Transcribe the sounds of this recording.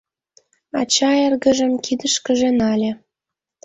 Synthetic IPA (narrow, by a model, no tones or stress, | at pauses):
ɑt͡ɕɑerɣə̆ʒə̆mkid̪əʃkə̆ʒenɑlʲĕ